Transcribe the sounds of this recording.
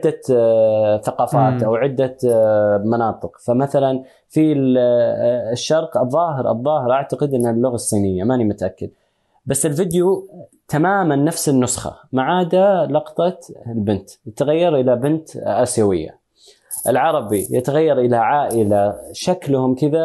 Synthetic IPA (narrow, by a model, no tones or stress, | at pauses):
d̪ːa | θɑqɑːfaːt̪ʔawʕɪd̪ːa | mɑnɑːt̪ˤɨqfamaθalan | fi | ʃːɑɾˤqɨðˤːɑːɦɪɾʔɑ̰ðˤːɑːhɪɾˤʔaʕt̪aɡɪd̪ʔɪnːalːʊɣasˤːiːnɪjːamanimʊt̪ʔakːad̪̚ | basːɪlfɪd̪ju | t̪ʰamaːmanːafsɪnːʊsxɑ̰maʕaːd̪alɑqt̪ˤɑlbɪnt̪jɪt̪aɣajːɑɾˤʔɪlabɪnt̪ʔaːsjawɪ̰jːa̰ | ʔɪlʕɑɾˤɑbijɪt̪aɣajːɑɾˤʔɪlaʕaːʔɪlaʃaklʊhʊmkɪða